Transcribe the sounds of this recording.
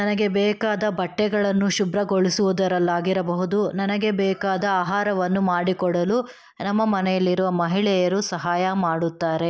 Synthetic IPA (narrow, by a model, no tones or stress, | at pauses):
nɐnɐɡe̞bɛːkaːd̪ɐbɐʈːɛɡɐɭɐnːuʃubɾɐɡoɭisuʋud̪ɐɾɐlːaːɡiɾɐbɐɦud̪unɐnɐɡe̞bɛːkaːd̪ɐaːɦaːɾɐʋɐnːumaːɽikɔɽɐlu | nɐmːɐmɐnɛjɐlːiɾuʋɐmɐɦiɭɛjɐɾusɐɦaːjɐmaːɽut̪ːaːɾe̞